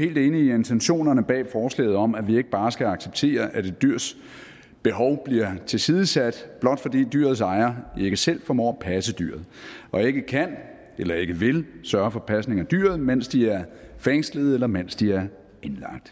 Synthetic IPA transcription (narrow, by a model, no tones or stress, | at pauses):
he̝̰ːld̥e̝ːniːent͡sʰenɕo̝̰ːnɐnəb̥ɛ̰ːfɒːslɛ̰ːð̞̩ˠɒ̽mæʋie̝ɡ̥əb̥ɑ̈ːsɡ̥æɑ̈ɡ̥seb̥̚t͡sʰe̝̰ːɐʔæd̥e̝dd̥yɐ̰s | b̥e̝ɦɒʊb̥liɐt͡sʰe̝lsiːð̞ˠəsæd̥b̥lɒ̽d̥fɒ̽d̥ḭːd̥yːɐðˠsɑ̈ɪɐe̝ɡ̥əsel̰fɒmɒ̰ːpʰæsəd̥y̰ɐð̩ˠʔɒ̽e̝ɡ̥əkʰæn | elɐe̝ɡ̥əʋe̝lsɶːɐfɒ̽pʰæsne̝ŋæd̥yɐðˠmen̰sd̥iæɐ | feŋsləð̩ˠelɐmen̰sd̥iæɐ | e̝nlɑ̈ɡ̥̚d̥